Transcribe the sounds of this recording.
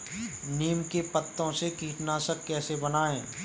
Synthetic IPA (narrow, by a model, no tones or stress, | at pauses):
niːmkepət̪ːõsekiːʈnaːsəkːɛːsebɐnaːẽː